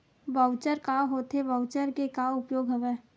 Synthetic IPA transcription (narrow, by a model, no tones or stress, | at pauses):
bəʊt͡ʃəɾkaɦoːt̪ebəʊt͡ʃəɾkekaʊpjoːɡɦɐʋeː